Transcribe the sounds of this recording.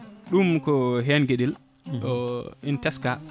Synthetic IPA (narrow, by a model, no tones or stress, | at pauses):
ɗumkɔɦɛnɡeɗil | ʔɔintɛska